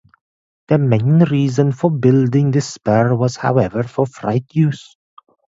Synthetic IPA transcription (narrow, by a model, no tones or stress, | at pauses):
d̪̥əmẽɪ̃nɹiːzə̃nfɔbɪldɪ̃ŋd̪ɪspɛɹwɔz̥ha̰ʊɛvəɹfɔfɹa̰ɪtʰjuːz̥